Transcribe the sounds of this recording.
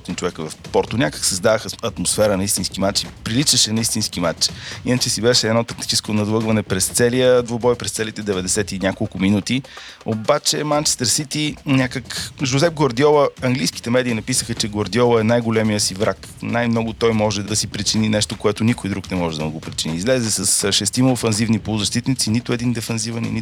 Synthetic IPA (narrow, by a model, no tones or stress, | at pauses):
ɔt̪int͡ʃovɛkvɐfpɔɾt̪ʊnʲakə̥ksɐzd̪avəxɐt̪mosfɛɾənɐist̪inskimat͡ʃipɾilit͡ʃəʃɛnɐist̪inskimat͡ʃinət͡ʃɛsibɛʃɛɛd̪nɔt̪ɐkt̪i̥t͡ʃɛskonɐd̪lˠəɡvɐnɛpɾɛst̪sɛliəd̪vobɔjpɾɛst̪sɛlit̪ɛd̪ɛvɛd̪ɛsɛt̪inʲakolˠkʊminut̪i | obat͡ʃɛmant͡ʃɛ̥st̪əɾsit̪inʲakəkʒozɛp̚ɡoɾd̪jɔvəɐŋɡlijski̥t̪ɛmɛd̪inɐpisəxət͡ʃɛɡoɾd̪iɔvˠəɛnajɡolɛmijəsivɾak | najmnɔɡʊt̪ɔjmɔʒɛd̪ɐsipɾit͡ʃininɛʃt̪okoɛt̪ʊnikʊjd̪ɾuknɛmɔʒɛd̪ɐmuɡopɾit͡ʃiniːzlɛzɛsəsʃɛst̪imɐofɛnzivnipolˠʊzɐʃt̪it̪nit̪sinit̪ʊɛd̪ind̪ɛfɛnzivənḭni